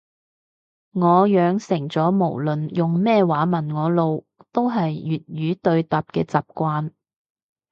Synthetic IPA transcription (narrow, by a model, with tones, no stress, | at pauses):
ŋɔː˨˧jœː˨˧ŋsɪ˨˩ŋt͡sɔː˨˥mo˨˩wlɵ˨njʊ˨ŋmɛː˥˧waː˨˥mɐ˨˩nŋɔː˨˧lo˨w | t̪o˥wɦɐ˨jːyː˨t̚jɥyː˨˥t̪ɵ˧ɥt̪ɐː˨p̚kɛː˧t͡saː˨p̚kʷaː˧n